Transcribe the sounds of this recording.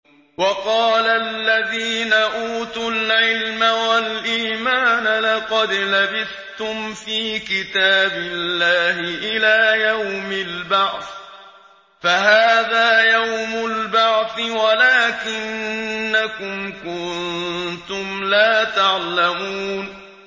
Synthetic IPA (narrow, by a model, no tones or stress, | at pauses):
wɑqɑːlalːaðiːnaʔuːt̪ulʕɪlmawalʔiːmaːnalɑqɑd̪labɪθ | t̪ʊmfiːkɪt̪aːbɪlːaːhɪʔɪlaːjawmɪlbɑʕθ | faɦaːðaːjawmʊlbɑʕθɪwalaːkɪnːakʊmkʊnt̪ʊmlaːt̪aʕlamuːn